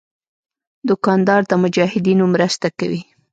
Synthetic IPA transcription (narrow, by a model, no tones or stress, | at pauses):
d̪ʊkɑnd̪ɑɾd̪əmʊd͡ʒɑhɪd̪inomɾəst̪akawi